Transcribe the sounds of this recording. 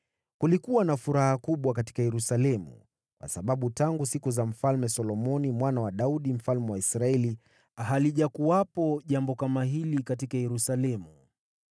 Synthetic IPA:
kulikuwanafuɾahakuɓwakati̥kajɛɾusalɛmṵ | kwʔa̰saɓaɓutaŋɡusikuzam̩falmɛsɔlɔmɔnimwanawaɗauɗim̩falmɛwaisɾaɛli | ɦaliʄakuwapɔʄambɔkamaɦilikatikajɛɾusalɛmu

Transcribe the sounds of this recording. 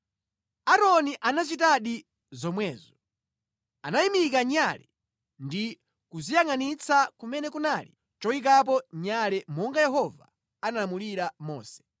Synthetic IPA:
aɾɔniʔanat͡ʃitaɗi | zɔmwɛːzɔ | anaimik̬aɲalɛ | ndi | kuzijaŋanit͡sʰakumɛnɛkunaːli | t͡ʃɔik̬ap̬ɔɲalɛmɔŋɡajɛɦɔva̰ | analamuliɾamɔ̰ːsɛ̥

